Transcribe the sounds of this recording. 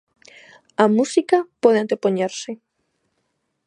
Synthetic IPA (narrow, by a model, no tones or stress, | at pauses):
amusikapoðeant̪epoɲeɾse